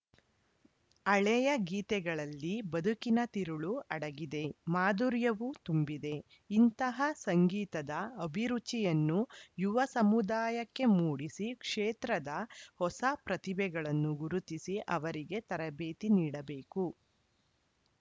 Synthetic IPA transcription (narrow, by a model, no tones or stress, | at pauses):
ɐɭɛjɐɡiːt̪ɛɡɐɭɐlːibɐd̪ʱukinɐt̪iɾuɭuɐɽɐɡid̪e̞maːd̪uɾjɐʋut̪umbid̪e̞ | int̪ɐɦɐsɐŋɡiːt̪ɐd̪ɐɐbʱiɾut͡ʃijɐnːujuʋɐsɐmud̪aːjɐkːe̞muːɽisikʂeːt̪ɾɐd̪ɐhɔsɐpɾɐt̪ibɛɡɐɭɐnːuɡuɾut̪isiʔɐʋɐɾiɡe̞t̪ɐɾɐbeːt̪iniːɽɐbeːku